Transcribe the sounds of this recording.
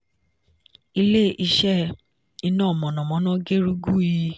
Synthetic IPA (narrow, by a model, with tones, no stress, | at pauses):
i˧le˦ʔi˧ʃɛ˦ | i˧nãː˦˨mɔ̃˨nɔ̃˨mɔ̃˨˦nã˦ɡe˦ɾu˦ɡu˦i˧